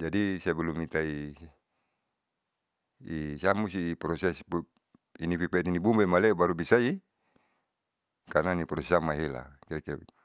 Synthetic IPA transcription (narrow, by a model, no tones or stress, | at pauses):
d͡ʒadisabɛlumit̪ai | samust̪iːpɾɔsɛsp | inipipat̪inibumbemalebaɾubisai | karnanipɾɔsɛsaŋmaɦela̰kiɾakiɾa̰